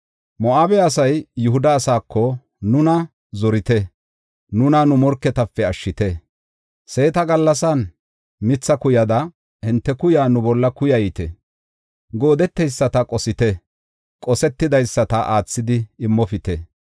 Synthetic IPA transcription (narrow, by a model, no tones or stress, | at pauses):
mɔaːbɛɐsɐjːʊɦʊd̪ɐːsaːkʰːɔ | nʊnɐ | zɔɾɪt̪ɛ | nʊnɐnʊmɔɾkːɛt̪ɐpːɛɐʃːɪt̪ɛ | se̞ːt̪ɐɡɐlːɐsɐn | mɪt͡sːɐkʊjɐd̪ɐ | hɪnt̪ːɛkʊjaːnʊbɔlːɐkʊjɐjit̪ɛ | ɡo̞ːd̪ɛt̪ːɛjsːɐt̪ɐkʼɔsɪt̪ɛ | kʼɔsɛt̪ːɪd̪ɐjsːɐt̪ɐʔaːt͡sːɪd̪ɪɪmːɔfɪt̪ɛ